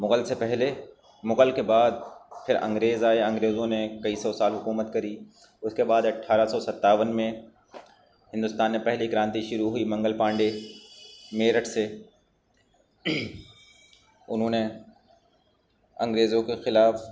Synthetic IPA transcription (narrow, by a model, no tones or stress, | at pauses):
mʊɣəlsepɛɦle | mʊɣəlkebaːd̪̚pʰɪɾɐ̰̃ŋɡɾeːzaːeɐ̃ŋɡɾeːzõnekɐisɔsaːlɦʊkuːmət̪kɐɾiː | ʊskebaːd̪ɐʈʰːaːɾasɔsɐt̪ːaːʋənmẽ | hɪ̃nd̪ʊst̪aːnːẽpɛɦlikɪɾãːnt̪iʃʊɾuɦuiːmɐ̃ŋɡəlpãːɳɖe | meːɾəʈse | ʊnɦõːne | ɐ̃ŋɡɾeːzõkexɪlaːf